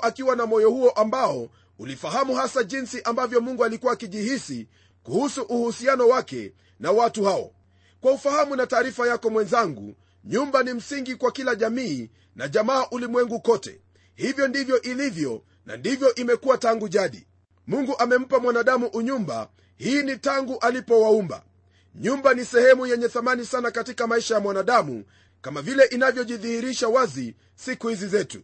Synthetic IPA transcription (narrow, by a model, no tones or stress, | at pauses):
ʔakiwanamɔjɔhuɔʔambaɔ | ulifaɦamuhasaʄinsiʔambavjɔmuŋɡualikuwaːkiʄihisi | kuhusuʔuhusianɔwakɛ̰ | nawatuhaɔ̰ | kwaufahamunataːɾifajakɔmwɛnzaŋɡṵ | ɲumbanim̩siŋɡikwakilaʄamiː | naʄamaːʔulimwɛŋɡukɔtɛ̰ | hivjɔndivjɔʔilivjɔ | na̰ndivjɔʔimɛkuwataŋɡuʄaɗḭ | muŋɡuʔamɛm̩pamwanaɗamuʔuɲumba̰ | hiːnitaŋɡuʔalipɔwaumba̰ | ɲumbanisɛhɛmujɛɲɛθamanisanakatikamaiʃajamwanaɗamṵ | kamavilɛʔinavjɔʄiðihiɾiʃawazi | sikuhizizɛtu